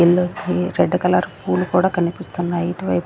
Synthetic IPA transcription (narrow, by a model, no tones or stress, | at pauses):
ilːuɾeɖːukɐlaɾpuːlukuːɽaːkɐnipist̪unːaiʈiʋɐjp